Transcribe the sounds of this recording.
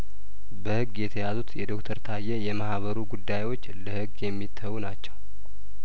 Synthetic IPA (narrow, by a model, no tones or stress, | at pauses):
bəhɨɡːjɛt̪ʰəjazut̪jɛd̪o̞kt̪ʰəɾt̪ʰajːɛjɛmahβəɾuɡud̪ːajwo̞t͡ʃːləhɨɡjɛmːit̪ʰːəwnat͡ʃːɛw